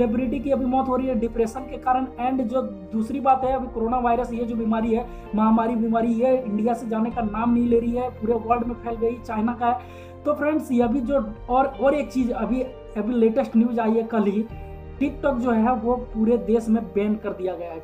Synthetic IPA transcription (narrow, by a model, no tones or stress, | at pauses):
lɪbɾɪʈ̬ikiɐbʱimɔːt̪ɦoːɾəiɦɛɖɪpɾeːsənkekaːɾəɽɛ̃ːɳɖd͡ʒoː | d̪uːsɾibaːt̪ɦɛɐbʱikoɾoːnaʋaːɪɾəsjed͡ʒobiːmaːɾiɦɛ | mɐɦamaːɾibiːmaːɾijeɪ̃ɳɖijased͡ʒaːnekanaːmnɐɦĩleːɾəiɦɛpuːɾeʋəlɖmẽpʰɛːlɡɐit͡ʃaːɪnakaɦɛ | t̪opʰɾɛ̃ɳɖsɐbʱid͡ʒoːɔːɾɔːɾeːk̚t͡ʃiːd͡ʒɐbʱi | ɐbʱileːʈəsʈnɪʋd͡ʒaːiɦɛkɐl̤ɦi | ʈɪk̚ʈɔːkd͡ʒoːɦɛʋopuːɾed̪eːsmẽbɛːnkɐɾd̪ijaɡɐjaɦɛː